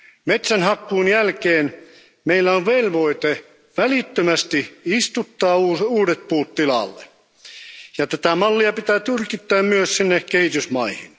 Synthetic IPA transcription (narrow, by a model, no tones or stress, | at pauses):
met̪sænhɑkːuːnjælkeːn | meilːæoʋʋelʋo̞it̪e | ʋælit̪ːømæst̪iist̪ut̪ːɑːuːuːdet̪̚puːt̪tːilɑ̰lːḛ | jɑt̪æt̪æmɑlːiɑpit̪æːt̪yrkit̪ːæːmmyøssinːekkehit̪ysmɑihin